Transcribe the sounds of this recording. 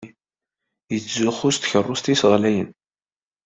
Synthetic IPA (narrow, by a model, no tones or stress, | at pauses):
jət͡sːzʊχːʊst̪çərˤːʊst̪isəʁlæjən